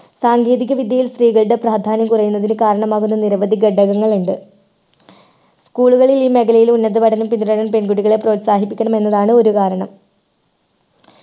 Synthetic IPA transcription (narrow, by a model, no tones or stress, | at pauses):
saːŋɡe̞ːðiɣɐʋid̪jɐjilst̪riːɣɐɭɽepraːd̪ʱaːnjɐmkurɐjunːɐðinɨkaːɾɐɳɐmaːɣunːɐniɾɐʋɐd̪ʱiɡɐɖʱːɐɣɐŋːɐɭuɳɖɨ | skuːɭuɣɐɭiliːme̞ɣɐlɐjilunːɐd̪ɨbɐʈʰɐnumpind̪ɾɐnɐmpe̞nɡuɽiɣɐɭe̞pro̞ːt̪saːɦipːikʲːɐɳɐme̞nːɐðaːɳɨo̞ɾukaːɾɐɳɐm